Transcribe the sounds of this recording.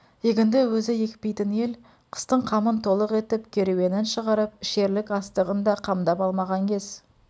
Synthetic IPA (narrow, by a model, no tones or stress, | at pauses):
jeɡʲɪnd̪ɪwɵzɪje̞kʲpe̞jt̪ɪne̞l | qʰə̥st̪əɴqʰɑmənt̪ʰo̞lˠəqe̞t̪ɪp̚kʲʰe̞ɾewe̞nɪnʃəʁɑɾəp̚ʃe̞ɾlɪkɑst̪əʁənd̪ɑqʰɑmd̪ɑpɑlˠmɑʁɑŋkʲʰe̞z